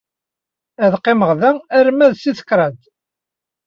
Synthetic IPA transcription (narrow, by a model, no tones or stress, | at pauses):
æðqːeməʁðææɾmæðsiθə̥kɾˤɑd̪